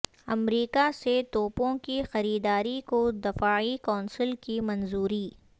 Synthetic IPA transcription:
ɐ̰mɾiːkaset̪oːpõkixɐɾiːd̪aːɾikod̪ɪfaːikaːnsəlkimɐnzuːɾiː

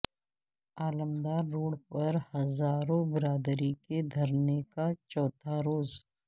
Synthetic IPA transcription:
aːləmd̪aːɾːoːɽpɐɾhɐzaːɾõbɪɾaːd̪ɾiked̪ʱɐɾnekat͡ʃɔːt̪ʰaɾoːz

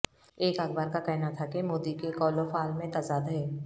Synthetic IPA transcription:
eːkaɡbaːɾkakɛɦnat̪ʰakemoːd̪ikekɔːlofaːlmẽt̪aːzaːd̪ɦɛː

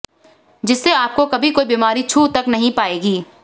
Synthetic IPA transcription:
d͡ʒɪsːeaːp̚kokɐbʱikoːibiːmaːɾit͡ʃʰuːt̪ɐknɐɦĩpaːeːɡiː

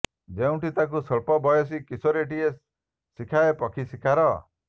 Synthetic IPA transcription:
d͡ʒeũʈit̪ak̬usɔɭpɔbɔjɔs̬ikisoɾeʈie | sikʰaepɔkʰisikʰaɾɔ

